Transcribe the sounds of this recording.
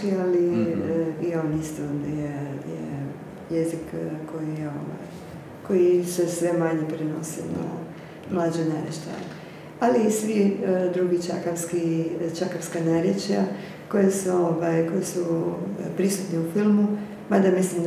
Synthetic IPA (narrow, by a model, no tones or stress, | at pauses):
kiali | iaonist̪onjejḛ | jezikkːo̞jijeo̰ʋa̰j | ko̞jisesʋe̞maɲepɾeno̰sina̰ | mlad͡ʒojnaːɾjet͡ʃt̪a̰l | alisʋid̪ɾuɡit͡ʃa̰kafskit͡ʃakafskanaɾjet͡ʃja | ko̞jesuoʋajko̞jisupɾisut̪niufilmu | mad̪amislim